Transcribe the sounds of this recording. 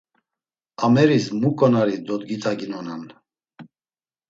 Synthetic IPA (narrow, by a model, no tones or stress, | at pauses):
amɛɾismukʼɔnaɾid̪ɔt̪ɡit̪ʰʼaɡinɔnan